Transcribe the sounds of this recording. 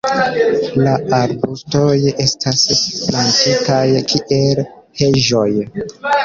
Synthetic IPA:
laaɾbusto̞je̞stʰasplantitajkʰiʔel | he̞ʒo̞j

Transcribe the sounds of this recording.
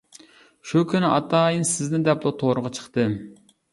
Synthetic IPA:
ʃukʲʰynɪʔɑt̪ɑːjinsɪznɪnd̪ɛplˠut̪ʰoɾəʁɑt͡ʃʰə̥χt̪ɨ

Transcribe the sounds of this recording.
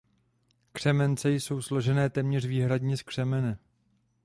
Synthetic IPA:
kr̝̥ɛmɛnt͡sɛjso̞wslo̞ʒɛnɛːt̪ɛmɲɛrviːɦɾadɲɛskr̥ɛmɛnɛ

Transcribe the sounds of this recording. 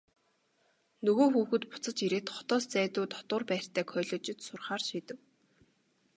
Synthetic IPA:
nɵɣoːxuːxɘ̆t̪pʊ̥t͡sə̆t͡ɕiɾeːt̪χɔ̥t̪ɔːst͡sæːt̪ʊːt̪ʰɔ̥t̪ʊ̆ːrpæːr̥ʲt̪ʰæːkʰœːɮɔːt͡ɕɪ̆t̪sʊrχaːrʃiːt̪ɘ̆w

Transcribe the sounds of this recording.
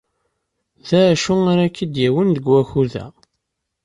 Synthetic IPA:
ðæʃuaɾakːid̪jæwənd̪əɡwæçuðæ̰

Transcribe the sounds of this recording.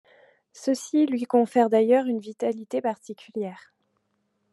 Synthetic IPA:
səsilɥikɔ̃fɛʁd̪ajœʁynvit̪alit̪epaʁt̪ikʲyljɛːʁ

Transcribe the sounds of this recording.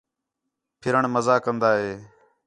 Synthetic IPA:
pʰɪɾəɳməzaːkənd̪aːɦeː

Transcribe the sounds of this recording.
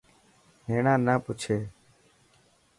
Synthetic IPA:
ɦeːɳãːnaːpʊt͡ʃʰeː

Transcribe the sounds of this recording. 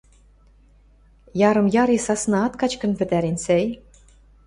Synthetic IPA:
jɑɾɤ̆mjɑɾisɑsnɑɑt̪kɑt͡ɕkɤ̆npɘ̆t̪æɾinsej

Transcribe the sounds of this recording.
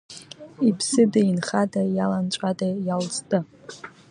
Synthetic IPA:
ipʰsɨdainχadajalant͡ʃʷʼadajalt͡sʼtʼɨ

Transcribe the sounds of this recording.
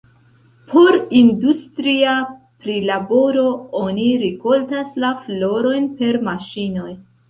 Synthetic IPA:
pʰo̞ɾindustɾia | pɾilabo̞ɾo̞oniɾiko̞ltaslaflo̞ɾo̞jnpe̞ɾmaʃino̞j

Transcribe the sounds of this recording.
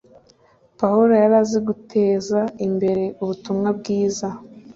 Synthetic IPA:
pauɾojaɾaziɡutʰeːzaimbe̞ɾe̞uβutumŋab̚ɡiːza

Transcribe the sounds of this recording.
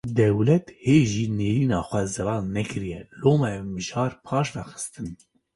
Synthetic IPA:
d̪ɛwlɛt̪heːʒiːneːɾiːnɑːxʷɛzɛvɑːlnɛkʰɨɾijɛloːmɛmɨʒɑːɾpʰɑːʃdɑxɨ̥st̪ɨn

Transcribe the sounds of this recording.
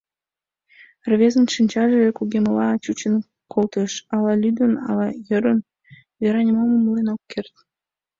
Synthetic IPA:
rβʲezə̆nʃinʲt͡ɕɑʒeekuɣʲeməlɑt͡ɕut͡ɕən | kʰolt̪ə̆ʃɑlɑlʲyd̪ə̆nɑ̰lɑjəɾən | vʲeɾɑnʲemoməmlenokːert̪

